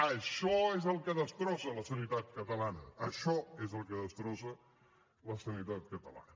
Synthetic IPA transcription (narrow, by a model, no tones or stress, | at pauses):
əʃɔezəlˠkəðəst̪ɾɔsələsənit̪at̪̚kət̪əlanəːʃɔezəlˠkəðəst̪ɾɔsə | ləsənit̪at̪̚kət̪əla̰nə